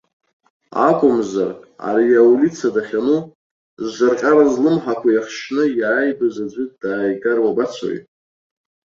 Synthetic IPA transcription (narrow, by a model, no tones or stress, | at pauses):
a̰kʷʼʊmzara̰ɾijaulit͡sʰadaχʲanu | zʒʷarqʲʼaɾazlɨmħakʷʰajaχʃnɨjaːjbazad͡ʒʷɨt̚ʼd̥aːjɡarwabat͡sʷʰo̰jʼ